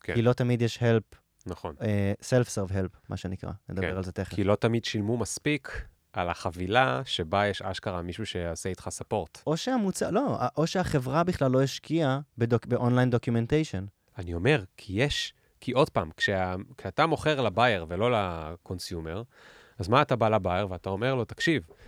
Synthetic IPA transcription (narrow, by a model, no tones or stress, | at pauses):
kekilo̞t̪amid̪jeʃhelp | naχo̰neselfseʁvɦelpmʔa̰ʃenikʁa̰led̪ab̰eʁalzet̪eχkeilo̞t̪amidʃilmumaspikʰ | alaχavilaʃebajeʃa̰ʃkaʁamiʃuʃeaseit̪χasapo̞ʁt̪ʔo̞ʃeamut͡sa̰lo̞aʔoʃeaχevʁabiχlalːo̞iʃkiabedobeʔonlajndokjumentejʃon | anio̞me̞ʁkʰijeʃ | kʰiʔo̞dpamkʃeakʃeatamo̞χeʁlabajeʁvelo̞lakʰo̞nsjume̞ʁ | azmaːtabalabaeʁveatao̞me̞ʁlo̞takʃiv